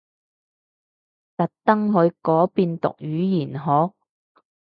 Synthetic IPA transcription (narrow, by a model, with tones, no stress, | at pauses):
t̪ɐ˨t̚t̪ɐ˥ŋɦɵ˨˧ɥkɔː˨˥piː˧nt̪ʊ̰˨k̚jyː˨˥jiː˨˩nɦɔː˨˥